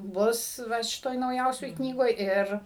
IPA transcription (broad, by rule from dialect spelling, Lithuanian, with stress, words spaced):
ˈbʊs ˈʋɐ ʃʲɪˈtoːj nɐʊˈjɛʊsʲoːj ˈknʲiːɡoːj ˈɪr